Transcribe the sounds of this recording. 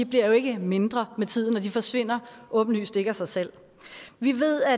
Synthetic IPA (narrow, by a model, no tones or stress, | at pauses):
ib̥liɐ̰jo̝e̝ɡ̥əme̝nd̥ʁɐmet͡sʰið̰ˠn̩ɒd̥ifɒ̽sʋe̝n̰ɐʔɔ̽ːb̥n̩ly̰ːsd̥e̝ɡ̥ɐsɑ̈ɪsel̰ | ʋiʋe̝ð̰ˠæ